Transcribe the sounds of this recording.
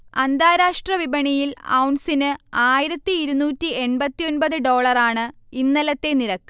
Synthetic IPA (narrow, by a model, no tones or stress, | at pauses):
ɐnd̪ʱaːɾaːʂʈrɐʋibɐɳijilɐ̰wɳsinɨaːjiɾɐt̪ːiːɾunuːtːie̞ɳbɐt̪ːijo̞nbɐðɨɖo̞ːɭɐraːɳɨinːɐlɐt̪ːe̞niɾɐkːɨ